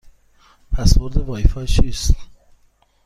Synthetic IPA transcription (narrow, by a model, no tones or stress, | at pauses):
pʰæsvoɾd̪evɒːifɒt͡ʃʰiːst̪